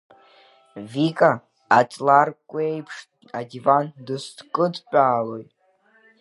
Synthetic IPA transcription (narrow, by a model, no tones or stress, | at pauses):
vikʼaː | t͡sʼlarkʷʼejpʰʂtʼ | adivandɨsdkʼɨdpʷʼaːlo̞jtʼ